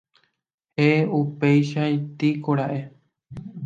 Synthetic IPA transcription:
heeupe̞jʃaĩt̪ikoɾaʔe̞

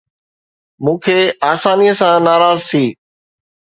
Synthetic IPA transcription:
mũːkʰeːaːsaːniːəsãnaːɾaːzt̪ʰiː

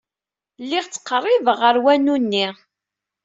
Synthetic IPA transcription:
lːiʁt͡sːə̥qːrˤːivəʁəɾwænunːi

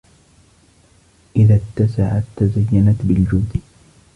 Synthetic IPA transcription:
ʔɪðat̪ːasaʕat̪ːazajːanat̪bɪld͡ʒʊd̪

